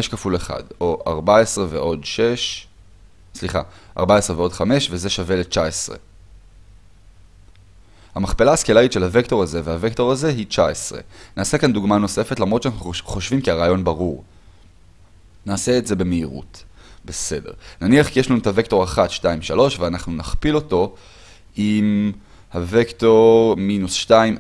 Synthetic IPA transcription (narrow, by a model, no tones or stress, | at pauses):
eʃkafuleχa̰do̞ʔaʁbaesʁeveʔo̞dʃeʃ | sliχa̰ʔa̰ʁbaesʁeveo̞dχame̞ʃve̞zeʃave̞le̞t͡ʃaesʁḛ | hamaχpelaːskelaitʃe̞lhavekto̞ʁaze̞veavekto̞ʁaze̞ɦit͡ʃaesʁe̞̰naːsekanduɡmano̞se̞fetlamʁot̪ʃanaχuχoʃvimkiaʁaːjo̞nbaʁuʁ | naːse̞ːtze̞be̞meiʁṵt | be̞se̞de̞ʁnaniaχkijeʃlanutavekto̞ʁaχatʃtaimʃalo̞ʃveanaχnunaχpilo̞to̞ | ʔim | havekto̞ʁminusʃtaim